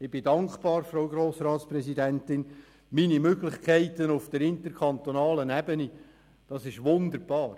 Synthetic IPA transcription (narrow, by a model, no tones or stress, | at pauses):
ɪb̥ɪdɑŋkb̥ɑːɾfɾoʊɡɾoːsrɑːtsprɛsidɛntɪn | minimøɡlɪχkʰæɪt̪ənʊfd̥əɾɪntəɾkʰɑnt̪onɑːlənɛbəni | d̥ɑsɪʃʋʊnd̪əɾb̥ɑːr